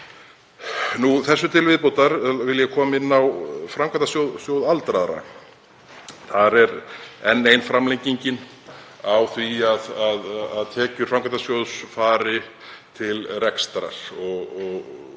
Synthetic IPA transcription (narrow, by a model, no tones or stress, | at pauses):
nuθɛsːʏt̪ʰɪlvɪðpowt̪aɾvɪljɛkʰɔːmɪnːawfɾamkʰat̪asjowðsjowðalt̪ɾaðɾa̰ | θaɾɛɾɛnːejnfɾamlejɲciɲcɪn | awθviaðaðaðt̪ʰɛːcʏɾ̥fɾamkʰant̪asjowðsfaːɾɪ | t̪ʰɪlrɛkst̪ɾa̰ɾ̥ɔɣɔɣ